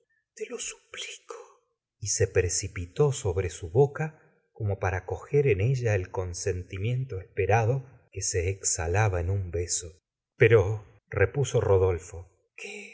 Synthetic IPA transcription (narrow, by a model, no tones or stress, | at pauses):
t̪elo̞su̥pli̥kʰo̥ | ise̞pɾesipit̪o̞so̞βɾe̞suβoka | ko̞mo̞paɾako̞xe̞ɾene̞ʒaelko̞nse̞nt̪imje̞nt̪oespeɾaðo̞ | kese̞ːksa̰laβaenumbe̞so | pe̞ɾo | repuso̞roðo̞lfo̞ | kʰe